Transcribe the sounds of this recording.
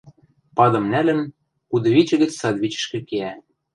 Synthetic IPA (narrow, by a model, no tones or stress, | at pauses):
pɑd̪ɤ̆mnælɘ̆n | kud̪ɤ̆βit͡ɕɘ̆ɣɘ̆t͡ssɑd̪βʲit͡ɕɘ̥̆ʃkɘ̆keæ